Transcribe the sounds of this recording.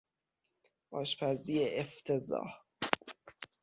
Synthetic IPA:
ɒːʃpʰæziːeʔeft̪ʰezɒ̰ːh

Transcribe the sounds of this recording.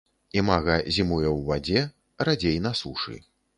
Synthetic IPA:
imaɣɐzʲimujɛwvad͡zʲɛ | rad͡zʲejnɐsuʂɨ̰

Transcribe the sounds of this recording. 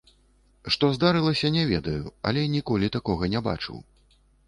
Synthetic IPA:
ʂt̪ɔzd̪aɾɨlˠɐsʲɐnʲɛvʲɛd̪ɐjuɐ̰lʲɛnʲikɔlʲit̪akɔɣɐnʲɛba̰t͡ʂɨ̰w

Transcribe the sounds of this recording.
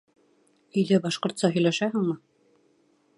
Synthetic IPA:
ɵ̆jðæbɑʃqŏɾt̪sɑɦɵ̆jlæʃæɦɘŋmɤ

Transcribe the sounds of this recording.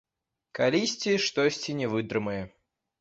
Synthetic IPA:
kalʲisʲt͡sʲeʂt̪ɔsʲt͡sʲɪnʲɛvɨd̪ɾɨmɐjɐ

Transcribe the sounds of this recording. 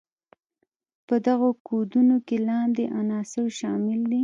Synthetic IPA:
pəd̪aɣokod̪unokelɑnd̪eʔanɑsɪwʃɑmɪld̪i

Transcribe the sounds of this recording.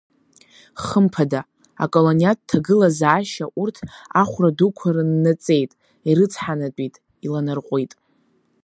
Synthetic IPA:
χəmpʰada | a̰kʼolonjat̚tʰːaɡɨlazaːʃaʔurtʰaχʷradukʷʰarɨnːat͡sʼe̞jtʼ | iɾɨt͡sʰħanatʼitʼ | ilanɨrqʷʼojtʼ

